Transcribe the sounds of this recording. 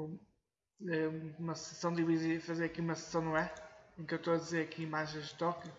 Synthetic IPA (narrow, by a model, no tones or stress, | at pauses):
ɛumɐsɨ̥sɐ̃w̃d̪iβizifɐzeɾɐkiumɐsɨ̥sɐ̃w̃nɐ̃w̃ɛẽkewt̪oɐðizeɾɐkiimaʒẽj̃ʒd̪ɨt̪ɔkju